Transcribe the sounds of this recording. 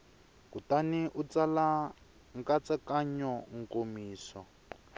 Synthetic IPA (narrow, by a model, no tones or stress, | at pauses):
kutaniʔut͡sala | ŋkat͡sakaɲɔŋ̩komiːsɔ